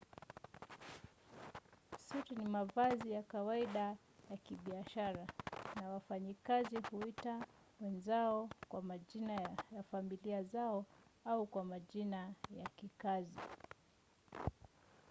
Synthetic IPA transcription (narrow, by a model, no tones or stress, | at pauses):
sutinimavazijakawaiɗa | jakiɓiaʃaɾanawafaɲikazihuita | wɛnzaɔkwamaʄinajafamiliazaɔaukwamaʄinajakikazi